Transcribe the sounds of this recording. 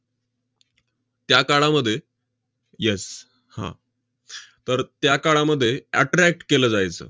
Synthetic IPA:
t̪jakaɭaməd̪ʱːje | jɛs | hã̰ | t̪əɾt̪jakaɭaməd̪ʱːjeæʈɾæk̚ʈkeləːd͡zajt͡sə̰ː

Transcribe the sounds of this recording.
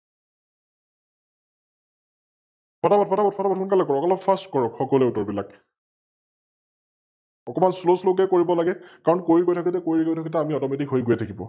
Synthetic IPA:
pʰɔtabɔt̚pʰɔtabɔt̚pɔtabɔtʰunkalɛkɔɹɔkɔlɔpʰastkɔɹɔkxɔkɔlɛutɔɹbila̰k | ɔkɔmansloslok̬ɛkoɹibɔlaɡɛkaɹɔnkoɹiɡojtʰakɔtɛkoɹiɡojtʰakɔtɛamiɔtɔmetikɦojɡʊjɛtʰakibɔ̰

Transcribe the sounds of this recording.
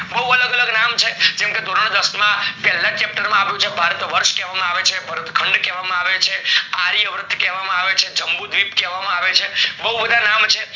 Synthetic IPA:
bəɦuələɡələɡnamt͡ʃʰed͡ʒɛmked̪oɾəɳ̃d̪əsmãpɛlːãt͡ʃɛp̚ʈəɾmãaʋjũt͡ʃʰebʱaɾt̪ʋəɾʃkɛʋamãaʋet͡ʃʰebʱəɾət̪kʰəɳɖkɛʋamãaʋet͡ʃʰeaɾiəʋɾət̪ʰːkɛʋamãaʋet͡ʃʰed͡ʒəmbud̪ʋipkɛʋamãaʋet͡ʃʰebəɦubəd̪ʱanamt͡ʃʰe

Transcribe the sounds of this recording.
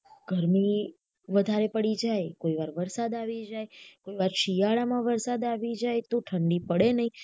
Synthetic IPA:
ɡ̥ʱəɾmi | ʋəd̪ʱaɾepəɽid͡ʒajkoiʋaɾʋəɾsad̪aʋid͡ʒajkoiʋaɾʃijaɭamãʋəɾsad̪aʋid͡ʒajt̪oʈʰəɳɖipəɽenəɦĩ

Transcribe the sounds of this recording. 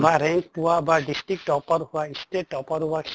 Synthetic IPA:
baɾɛŋkpuwabaɖisʈɾik̚ʈɔpɔɾɦuaisʈeʈɔpaɾɦuwakʰ

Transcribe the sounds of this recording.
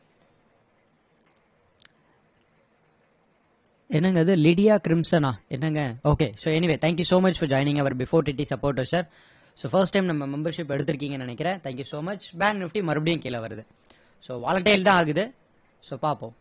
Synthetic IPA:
ɛnːɐŋɡɐðɯlɪɽɪjaːkɪɾɪmsɐnãːɛnːɐŋɡɐoːkeːsoːɛnɪʋeːt̪ʰæːŋk̬jusoːmɐt͡ʃfɔɾd͡ʒɔːɪnɪ̃ŋɡɐʋɐɾbɪfoːɾʈɪʈːisɐpoːɾʈɐɾsaɾ | soːfɐɾsʈːɐɪmnɐmːɐmɛmbɐɾʂɪpːɛɽɯt̪̬ːɯɾɯk̬ːiːŋɡɐnɪnɛkːɪɾẽːt̪ʰæːŋkjusoːmɐt͡ʃbaːŋknɪfʈimɐɾɯbɪɽɪjʊ̃ŋkeːlɐʋɐɾɐðɯ | soːʋa̰ːɭɐʈːɐjɪlt̪ãːaːɣɯðɯ | soːpaːpːõː

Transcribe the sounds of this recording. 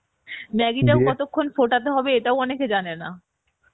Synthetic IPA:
mɛɡiʈaokɔt̪okʰːonfoʈat̪eɦɔbeeʈaoɔneked͡ʑanena

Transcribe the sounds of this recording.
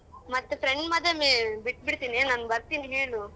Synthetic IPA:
mɐt̪ːepʰɾeɳɖmɐd̪emibiʈ̚ːbiɽt̪iːnenaːnbɐɾt̪iːniɦeːɭu

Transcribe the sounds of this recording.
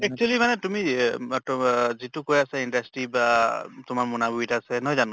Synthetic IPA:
ɛk̚t͡ʃualimanɛtumi | zitʊkojasɛindastɹibatʊmaɹmunabubitaːsɛnɔjzanɔ̃

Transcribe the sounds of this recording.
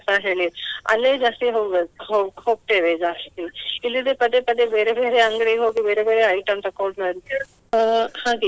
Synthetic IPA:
saɦeːɭiɐ̰lːeːd͡ʒaːst̪iɦoːɡeɦohoːɡ̚ʈ̪eːʋed͡ʒaːst̪iilːid̪epɐd̪epɐd̪ebeːɾebe̞ːɾeɐŋɡɐɽeɦoːɡibe̞ːɾebeːɾeɐjʈɐnt̪ɐkːoɳnaɾit̪ːa | haːɡe

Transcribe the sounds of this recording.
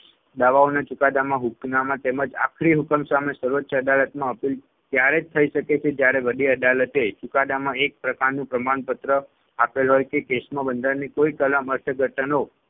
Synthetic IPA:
d̪aʋaonat͡ʃʊkad̪amãɦuknamãt̪eməd͡ʒa̰kʰɾiɦukəmsamesəɾʋətːʃʰəəd̪alət̪mãəpil | t̪jaɾed͡ʒt̪ʰəiʃəket͡ʃʰed͡ʒjaɾeʋəd̪iəd̪alət̪et͡ʃʊkad̪amãek̚pɾəkaɾnũpɾəmaɳpət̪ɾə | apelɦojkekesmãbənd̪əɾnikoikəlaməɾt̪ʰəɡʱəʈəno

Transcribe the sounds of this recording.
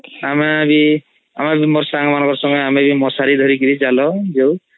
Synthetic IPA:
amebi | a̰mabimɔɾsaŋmanɔŋkɔɾsɔŋɔjamebimɔsaɾid̪ʱɔɾikiɾid͡ʒalɔd͡ʒew

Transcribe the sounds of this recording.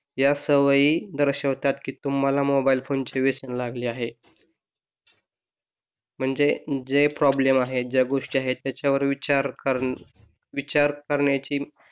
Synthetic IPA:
jasəʋəiːd̪əɾɕəkʋt̪at̪kiːt̪um̤alamobailfont͡ɕeʋesənlaɡliːaɦe | m̤əɳd͡zed͡zepɾɔblemaɦed͡ʑaɡoʂʈiaɦet̪jat͡ɕaʋəɾʋiaɾkə | ʋit͡ɕaɾkəɾɳjat͡ɕiː

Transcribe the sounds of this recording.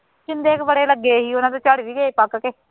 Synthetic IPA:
t͡ʃɪnd̪eːkbəɽeːləɡːeːɦiːʊnãːt̪̬õːt͡ʃəɽʋiːɡəeːpakkeː

